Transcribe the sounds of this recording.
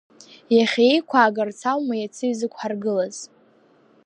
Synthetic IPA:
jaχʲejkʷʰaːɡart͡sʰawmajat͡sʰɨɥzɨkʷʰʼħarɡɨlaz̥

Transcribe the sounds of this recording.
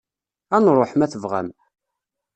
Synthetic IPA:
ænɾˤoħmæθəvʁæ̰m

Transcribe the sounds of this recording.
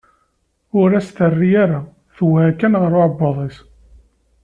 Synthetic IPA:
ʊɾæst̪ərːijaɾa | θwhækːænʁəɾʊʕbːɑðˤes

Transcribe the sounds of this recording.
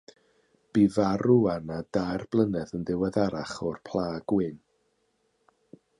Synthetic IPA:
b̥ivaɾuanadajrb̥lˠənɛðənðɪwɛðaɾaχɔrpʰl̥ˠaːɡ̥wɪn

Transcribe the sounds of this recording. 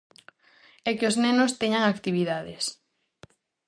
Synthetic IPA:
ɛkɪoznɛnost̪eɲaŋakt̪iβiðaðɪs

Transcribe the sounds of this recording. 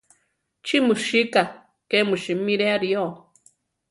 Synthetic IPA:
t͡ʃimɨʃika | kemɨʃimiɾeaɾio

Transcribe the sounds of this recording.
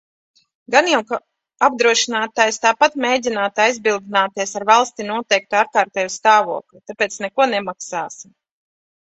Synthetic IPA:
ɡanjɛwk | ab̚d̪ɾuɔʃinaːt̪aːjst̪aːpat̪mʲeːjdʲinaːt̪ajzbilˠd̪inaːt̪iɛsaɾvalˠst̪inuɔt̪ɛjk̚t̪uaːɾkaːɾt̪ɛːjust̪aːvṵɔklut̪apɛːt̪snɛkuɔnɛmaksaːsim

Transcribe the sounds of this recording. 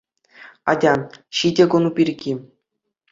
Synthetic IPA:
ɑ̰dʲɑɕidʲeɡŏnubʲirʲɡʲi

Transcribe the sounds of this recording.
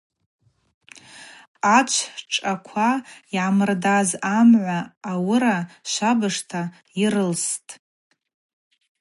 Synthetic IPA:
at͡ʃʷʰʈ͡ʂʼakʷʰaiʕamɨrdazamʕʷaːwʊɾaʃʷabɨʂtʰa | iɾɨlstʼ

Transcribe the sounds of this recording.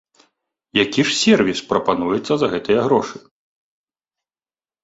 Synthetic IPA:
jakʲiʂsʲɛrvʲispɾɐpanujɛt̪sːɐzɐɣɛt̪ɨjɐɣɾɔʂɨ

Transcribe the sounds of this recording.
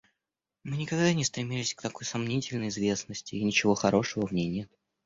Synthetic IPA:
mɨnʲɪkɐɡd̪anʲɪst̪ɾʲɪmʲilʲɪsʲkt̪ɐko̞jsɐmnʲitʲɪlʲnəjɪzvʲe̞snəsʲtʲɪːnʲɪt͡ɕɪvo̞xɐɾo̞ʂəvəvnʲejnʲe̞t̪

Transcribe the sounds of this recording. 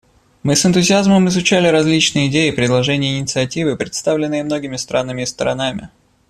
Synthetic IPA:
mɨsɨnt̪ʊzʲɪazməmɪzʊt͡ɕælʲɪɾɐzʲlʲit͡ɕnɨjəɪdʲejɪpɾʲɪd̪lˠɐʐɛnʲɪjəːnʲɪt̪sɨɐtʲivɨpɾʲɪt̪st̪avlʲɪnːɨjəmno̞ɡʲɪmʲɪst̪ɾanːɨmʲɪst̪əɾɐnamʲɪ̰

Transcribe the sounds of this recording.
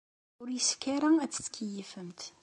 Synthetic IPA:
ʊɾjəskːæɾaæt͡sːt͡sːkʰijəfəmt̪

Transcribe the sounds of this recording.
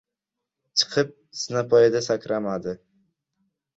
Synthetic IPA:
t͡ʃʰɨ̥qʰɨp̚ | sɪnapʰɒjad̪asakʲɾamad̪ɪ

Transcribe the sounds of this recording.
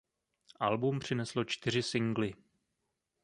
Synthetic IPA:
ʔalbumpr̝̥ɪnɛslo̞t͡ʃt̪ɪr̝ɪsɪŋɡlɪ

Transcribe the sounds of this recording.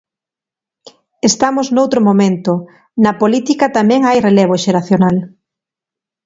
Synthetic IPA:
est̪amoznowt̪ɾomomẽnt̪o | nɐpolit̪ikɐt̪amɛ̃ŋajreleβ̞oʃeɾaθjonal

